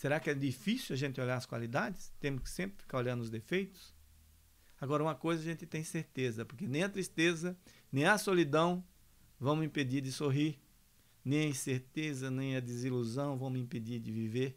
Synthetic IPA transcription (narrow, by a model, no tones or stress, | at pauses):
seɾakɪɛd̪ifisiwɐʒẽnt̪ɪoʎaɾɐskwa̰lid̪ad͡ʒɪst̪ẽmʊskɪ̥sẽmpɾɪfi̥kaɾoʎɐ̃nd̪ʊzd̪efejt̪ʊ̥s | aɡɔɾɐũmɐkojzɐaʒẽnt̪ɪt̪ẽj̃seɾt̪ezɐpoɾkenẽj̃ɐt̪ɾist̪ezɐnẽj̃ɐsolid̪ɐ̃w̃ | vɐ̃w̃mĩped̪iɾd̪ɪsoɦiɾ | nẽj̃ɐĩseɾt̪ezɐnẽj̃ɐd̪ɪziluzɐ̃w̃vɐ̃w̃mĩped͡ʒ̪iɾd̪ɪviveɾ